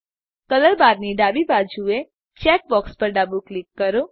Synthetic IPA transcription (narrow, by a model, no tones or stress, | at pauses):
kələlbaɾniɖabibad͡ʒue | t͡ʃɛk̚bɔkspəɾɖabuklɪkːəɾo